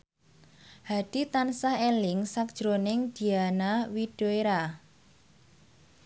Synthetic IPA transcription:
had̥i̤t̪ansahelɪŋsak̚d̥ʒ̥ɾonɪŋd̪̥i̤anawid̥oeɾa

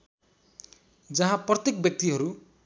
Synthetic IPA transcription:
d͡zʌɦãprʌt̪jekbjʌk̚t̪iɦʌɾu

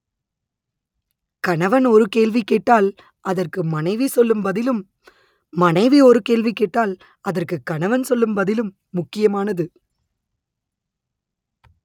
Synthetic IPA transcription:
kɐɳɐʋɐnɔɾɯkeːɭʋikeːʈːaːl | ʔɐðɐrkɯmɐnɐɪʋisɔlːɯmbɐðɪlɯmː | ɐnɐɪʋiɔɾɯkeːɭʋikeːʈːaːl | ɐðɐrkɯkːɐɳɐʋɐnsɔlːɯmbɐðɪlɯmːʊkːɪjɐmaːnɐðɯ

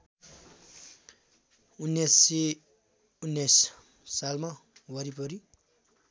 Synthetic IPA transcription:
unːese | unːes | salmawʌɾipʌɾi

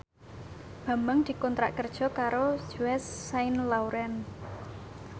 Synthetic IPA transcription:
b̥a̤mbəŋd̪̥i̤kɔnt̪ɾa̰ʔkərd̥ʒ̥ɔ̤kaɾodʒ̥uɛsːaɪnlawɾɛn

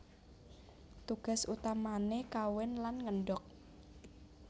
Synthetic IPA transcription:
t̪uɡ̥a̤sut̪amanekawɪnlanŋəɳɖɔk̚

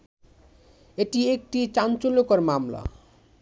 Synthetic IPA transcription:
eʈiek̚ʈit͡sant͡solokʌrmamla̰

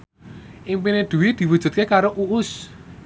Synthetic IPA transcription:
ʔiŋpined̪̥ṳwid̪̥i̤wu̥ʒ̥ṳt̪̚kekaɾoʔuʔʊs

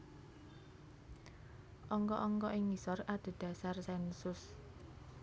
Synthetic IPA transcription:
ʔɔŋkɔʔɔŋkɔʔɪŋisɔrad̪̥o̤d̪̥ä̤sarsɛnsʊs

